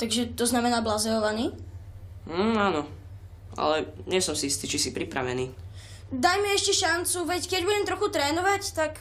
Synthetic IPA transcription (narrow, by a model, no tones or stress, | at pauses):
t̪aɡʒɛt̪ɔznamɛnaːblazɛɔʋaniː | aːnɔ | ʔa̰lɛɲɛsɔmsiist̪iːt͡ʃisipɾipɾa̰ʋɛniː | d̪ajmiɛʃcɛʃant͡suʋɛckɛɟbuɟɛmt̪ɾɔxut̪ɾɛːnɔʋact̪ak